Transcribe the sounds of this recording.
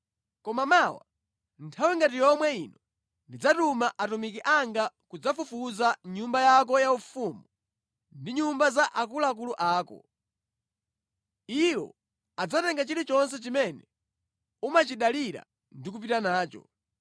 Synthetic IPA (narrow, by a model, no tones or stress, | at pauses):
kɔmamawa̰ | ntʰawiŋɡatijɔmwɛinɔ | ndid͡zatumaʔatumikiʔaŋɡakud͡zafufuzaɲumbajakɔjaufumu | ndiɲumbazaʔakulaak̬uluʔaːkɔ̰ | iwɔ̰ | ad͡zatɛŋɡat͡ʃiɾit͡ʃɔns̬ɛt͡ʃimɛnɛ | umat͡ʃiɗaliɾa̰ | ndik̬up̬itanaːt͡ʃɔ̰